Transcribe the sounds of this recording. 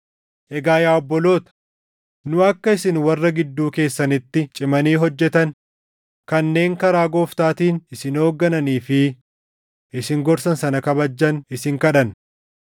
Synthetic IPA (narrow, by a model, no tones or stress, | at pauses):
ʔɛɡaːjaːɔbːɔlo̞ːt̪ɐ̥ | nʊɐkːɐɪsɪnwɐrːɐɡɪd̪ːuːke̞ːsːɐnɪt̪ːɪt͡ʃʼɪmɐniːɦɔd͡ʒːɛt̪ɐn | kɐnːe̞ːŋkɐɾaːɡo̞ːft̪aːt̪iːnɪsɪno̞ːɡːɐnɐniːfɪ | ʔɪsɪŋɡɔɾsɐnsɐnɐkɐbɐd͡ʒːɐnɪsɪŋkɐᶑɐn